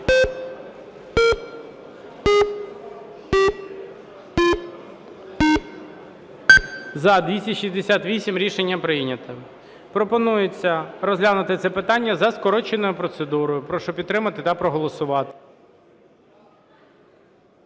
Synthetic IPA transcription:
zɐd̪ʋʲisʲɐʃizʲd̪esʲat̪ʋʲisʲimɾʲiʃenʲːɐpɾɪjnʲɐt̪ɐ | pɾɔpɔnujet͡sʲːɐɾɔzɦlʲanʊt̪ɪt̪sɛpɪt̪ɑnʲːɐzɐskɔɾɔt͡ʃenɔjʊpɾɔt̪sed̪uɾɔjʊpɾɔʃɔpʲit̪t̪ɾɪmɐt̪ɪt̪ɐpɾɔɦɔlˠɔsʊʋɑt̪ɪ̥

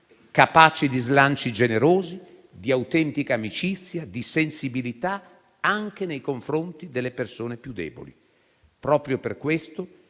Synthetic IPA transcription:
kapaːt͡ʃid̪izlant͡ʃid͡ʒeneɾoːzi | d̪iawt̪ɛnt̪ikaːmit͡ʃit̪sːjad̪isensibilit̪a | aŋk̟enejkoɱfɾont̪id̪elːepersoːnepjud̪ːɛ̰ːbo̰li | pɾɔːpɾjoperkwest̪o

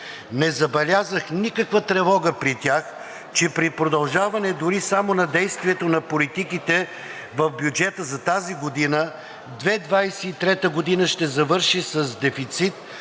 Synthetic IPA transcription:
nɛzɐbɛlʲazəxnikəkvət̪ɾɛvɔɡəpɾit̪ʲax | t͡ʃɛpɾipɾod̪ɐlˠʒavɐnɛd̪ʊɾisamonɐd̪ɛjst̪viɛt̪onɐpolit̪ikit̪ɛ | vɐvbʲjud͡ʒɛt̪əzɐt̪aziɡod̪inə | d̪vɛd̪vajsɛːt̪ɾɛt̪əɡod̪inəʃt̪ɛzɐvɤɾʃisɐzd̪ɛfit̪sit̪

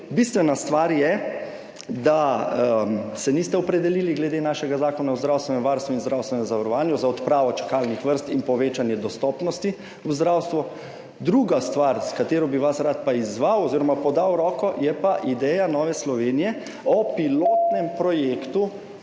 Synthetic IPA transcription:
bist̪ʋɛnast̪ʋaːɾjɛ | d̪a | sɛnist̪ɛɔpɾɛd̪ɛliliɡlɛd̪enaʃɛɡazaːkɔnawzd̪ɾawst̪ʋɛnɛmʋaːɾst̪ʋuinzd̪ɾawst̪ʋɛnɛmzaʋaɾɔʋaːnjuzaɔt̪pɾaːʋɔt͡ʃḁkalnixʋəɾst̪inpɔʋeːt͡ʃanjɛd̪ɔst̪ɔpnɔst̪i | wzd̪ɾawst̪ʋu | d̪ɾuɡast̪ʋaɾskat̪eːɾɔbiʋasɾat̪̚paizʋawɔziːɾɔmapɔd̪awɾɔːkɔjɛpaʔid̪ɛːjanɔːʋɛslɔʋeːnijɛ | ɔpiloːt̪nɛmpɾɔjekt̪u

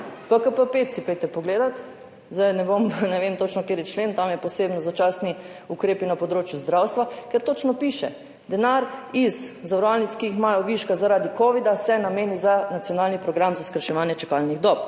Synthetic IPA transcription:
pəkəpəpet̪sipɛjt̪ɛpɔɡleːd̪at̪ | zd̪ajnɛbomnɛʋemt̪ot͡ʃnɔkeːɾjɛt͡ʃleːnt̪amjɛpɔseːbnɔzat͡ʃasniukɾeːpinapɔd̪ɾoːt͡ʃjuzd̪ɾawst̪ʋakɛɾt̪oːt͡ʃnɔpiʃɛ | d̪ɛnaɾizzaʋəɾɔʋalnit̪skiixmajɔʋiʃkazaɾaːd̪ikoʋid̪asɛnameːnizanat̪sijɔnaːlnipɾɔɡɾamzaskɾʃɛʋaːnjɛt͡ʃɛkalniɣd̪ɔp̚

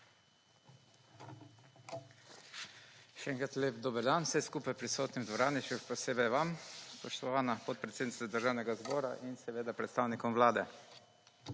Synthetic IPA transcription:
ʃɛɛŋkɾat̪leːpd̪oːbəɾd̪anwsɛjskuːpajpɾisoːt̪nimd̪ʋɔɾaːnit͡ʃupɔseːbɛjʋamspɔʃt̪ɔʋaːnapɔt̪̚pɾɛt̪seːd̪nit̪ɛd̪əɾʒaːwnɛɡazbɔːɾa̰ʔinsɛʋeːd̪apɾɛt̪st̪aːwnikɔmʋlaːd̪ɛ

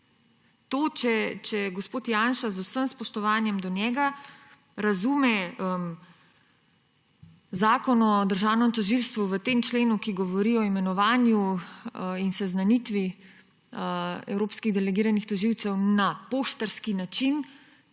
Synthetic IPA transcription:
t̪oːt͡ʃɛt͡ʃɛɡɔspoːt̪jaːnʃazusəmspɔʃt̪ɔʋaːnjɛmd̪ɔnjɛɡa | ɾazumɛəm | zaːkɔnɔd̪əɾʒaːwnɛmt̪ɔʒilst̪ʋuʋət̪eːmt͡ʃleːnukiɡɔʋɔɾiɔimɛnɔʋaːnju | insɛznanit̪ʋi | ɛ̰wɾoːpskiɣd̪ɛlɛɡiːɾanixt̪ɔʒiwt̪sɛwnapoːʃt̪əɾskinat͡ʃin

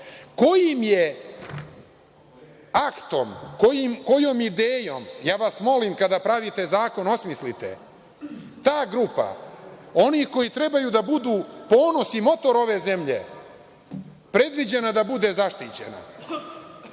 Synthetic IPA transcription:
ko̞jimje̞ | akt̪o̞mko̞jimko̞jo̞mid̪eːjo̞mjaːʋasmo̞limkad̪apɾaʋit̪e̞zaːko̞no̞smislit̪e̞̰ | t̪aːɡɾupa̰o̞nixko̞jit̪ɾe̞bajud̪abud̪uːpo̞ːno̞simo̞t̪o̞ɾo̞ʋe̞ze̞mʎḛ | pɾe̞d̪ʋid͡ʑe̞nad̪abud̪e̞zaʃt̪it͡ɕe̞̰na̰

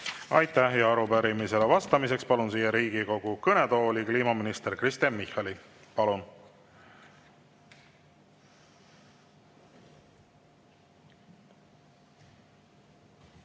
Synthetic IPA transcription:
ɑjt̪ˑæhjɑɑɾupæɾimise̞levɑst̪ɑmise̞kspɑlunsiːjeɾiːɡ̥iko̞ɡ̥ukɤne̞t̪o̞ːlʲikliːmɑminist̪e̞ɾkrist̪ɑnmihɑli | pɑlun

